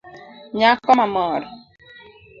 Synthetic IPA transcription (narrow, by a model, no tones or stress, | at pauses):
ɲakːɔmamɔɾ